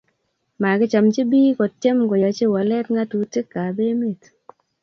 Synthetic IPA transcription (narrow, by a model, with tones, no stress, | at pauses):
ma˨ɡɪ˦t͡ʃa˨mt͡ʃi˦bi˦kɔ˨tje˦mɡɔ˨ja˨t͡ʃe˦wa˨lɛ˦tŋa˦tu˨ti˦kːa˨be˦me˦˨t